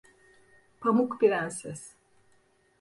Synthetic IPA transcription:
pʰamukbiɾænsɛs

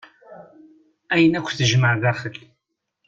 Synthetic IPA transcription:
æjənækʷːθəʒməʕðæɾχəl

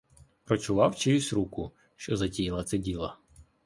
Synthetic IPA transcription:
pɾɔt͡ʃʊʋɑwt͡ʃejʊsʲɾukʊ | ʃt͡ʃɔzɐtʲijilˠɐt̪sɛdʲilˠɐ

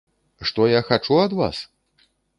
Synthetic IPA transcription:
ʂt̪ɔjaxat͡ʂuɐd̪va̰s

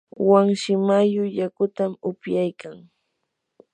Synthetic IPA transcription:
waŋʃɪmajʊjakʊt̪amʊpjajkaŋ

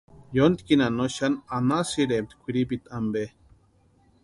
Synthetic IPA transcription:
jont̪i̥kinanoʃananasiɾemt̪kʷiɾipit̪ambe

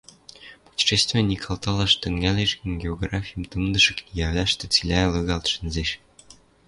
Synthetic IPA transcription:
pu̥tʲi̥ʃest̪vʲinʲikʰɑlˠt̪ɑlˠɑʃt̪ɘ̆ŋɡælʲeʃiŋɡʲeoɡrɑfʲijəmt̪ɯmd̪ɤ̆ʃɤ̆kijæβlʲæʃt̪ĕt͡silʲælɤɣɑlt̪ʃɘ̆nzeʃ

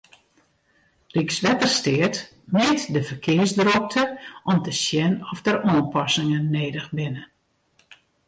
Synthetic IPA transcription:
riksʋɛtərstɪət | mɛːtdəfərkʰɪərsdrok̚tʰəʔɔmtəsjɛnɔfdəɾɔːnpɔsɪŋənːeːdəxbɪnə

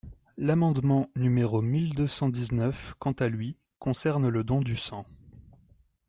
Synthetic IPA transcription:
lamɑ̃d̪mɑ̃nymeʁomild̪øsɑ̃d̪iznœfkɑ̃t̪alɥi | kɔ̃sɛʁnləd̪ɔ̃d̪ysɑ̃

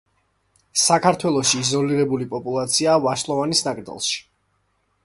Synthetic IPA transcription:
sakʰaɾt̪ʰwɛlˠɔʃiːzɔliɾɛbulipʼɔpʼulˠat̪sʰiaːvaʃlˠɔvanisnakʼɾd̪a̰lˠʃi̥

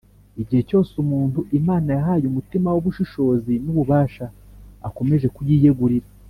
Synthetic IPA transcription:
iɟihe̞co̞ːsumuːntuʔimaːnajaɦaːjumutimawoβuʃiʃo̞ːzinuβuβaːʃaːko̞me̞ʒe̞kujiːjeɡuɾiɾa

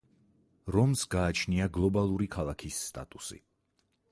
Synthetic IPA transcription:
ɾɔmsɡaːt͡ʃʰniaɡlˠɔbalˠuɾikʰalˠakʰisːt̪ʼa̰t̪ʼusḭ

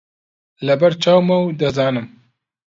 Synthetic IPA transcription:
lɐbɐɾt͡ʃaːwmɐwd̪ɐzɑːnɨm

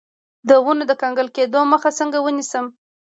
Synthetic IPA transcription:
d̪əwunod̪əkɑŋɡəlked̪oməxasəŋɡawənisəm

